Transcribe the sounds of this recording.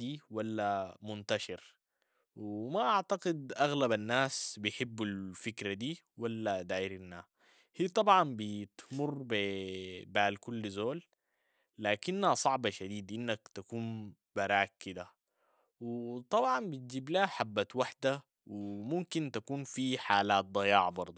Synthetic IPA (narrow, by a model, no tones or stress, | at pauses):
iːwalːamunt̪aʃɪɾ | wimaʔaʕt̪aqid̪ʔaɣlabanːaːsbijħɪbːalfikɾad̪iː | walːad̪aːjiɾinːaː | hiːt̪ˤɑbʕɑnbit̪murːb | baːlkulːzoːl | laːkinːhasˤɑʕbɑʃad̪iːd̪ʔinːakt̪akuːn | baɾaːkkːid̪a | wit̪ˤɑbʕɑnbit̪̚d͡ʒiːblaːħabːat̪waħd̪a | wimumkint̪akuːnfiħaːlaːt̪̚d̪ˤɑjɑːʕbɑɾˤd̪ˤu